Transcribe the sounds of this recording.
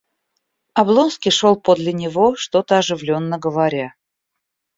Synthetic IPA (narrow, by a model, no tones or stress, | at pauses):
ɐblˠo̞nskʲɪʂolˠpod̪lʲɪnʲɪvo̞ʂt̪o̞t̪əɐʐɨvlʲo̞nːəɡəvɐɾʲa